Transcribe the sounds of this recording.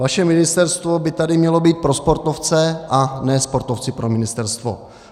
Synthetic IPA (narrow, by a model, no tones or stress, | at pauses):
vaʃɛmɪnɪst̪ɛɾst̪vo̞bɪt̪adɪmɲɛlo̞biːt̪̚pɾo̞spo̞ɾt̪oft͡sɛʔanɛːspo̞ɾt̪oft͡sɪpɾomɪnɪst̪ɛɾst̪vo̰